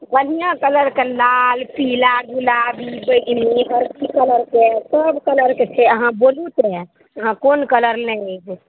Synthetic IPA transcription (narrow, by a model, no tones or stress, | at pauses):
pənijãkələɾkelalpilaɡulabibəʈmiɦəɾkikələɾkesəbkələɾket͡ʃʰɛəɦãbolut̪ɛ | əɦãkonkələɾnəd͡ʒ